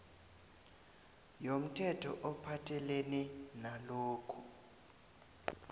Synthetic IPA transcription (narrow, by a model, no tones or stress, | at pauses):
jom̩tʰɛtʰɔʔɔpʰatʰɛleninaloːkʰu